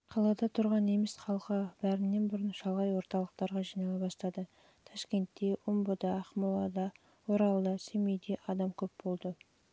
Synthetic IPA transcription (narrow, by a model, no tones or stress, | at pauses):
qʰɑlˠɑd̪ɑt̪ʰʊɾʁɑne̞mesχɑlˠəqəbæɾɪnːe̞nbʊɾənʃɑlˠʁɑjwo̞ɾt̪ɑlˠəq̚t̪ɑɾʁɑʒijnɑlˠɑbɑst̪ɑd̪ə | t̪ʰɑʃkʲe̞nt̪ːe̞ʔʊmbəd̪ɑːχmɑlˠɑd̪ɑ | woɾɑlˠd̪ɑsemejd̪e̞ʔɑd̪ɑmkʲʰɵp̚bo̞lˠd̪ə